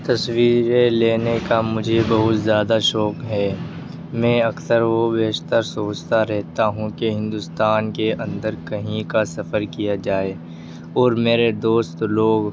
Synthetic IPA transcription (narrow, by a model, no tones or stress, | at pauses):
t̪ɐswiːɾeleːnekamʊd͡ʒʱebɐɦʊt̪zjaːd̪aʃɔːkɦɛː | mɛ̃ɐksəɾʋobeːʃt̪əɾsoːt͡ʃt̪aɾɛɦt̪aɦũkeɦɪ̃nd̪ʊst̪aːnkeʔɐ̃nd̪əɾkɐɦĩkasɐfəɾkijad͡ʒaːeː | ɔːɾmeːɾed̪oːst̪loːɡ